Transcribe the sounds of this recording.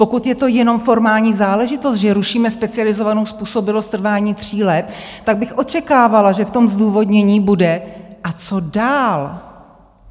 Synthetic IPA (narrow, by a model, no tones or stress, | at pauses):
po̞kut̪jɛt̪o̞jɛno̞mfo̞ɾmaːlɲiːzaːlɛʒɪt̪o̞st̪ʒɛɾuʃiːmɛspɛt͡sɪalɪzo̞vano̞wspuːso̞bɪlost̪ːr̩vaːɲiːt̪r̝̥iːlɛt̪ːaɡ̚bɪxʔo̞t͡ʃɛkaːvalaʒɛft̪o̞mzduːvo̞dɲɛɲiːbudɛʔat͡so̞daːl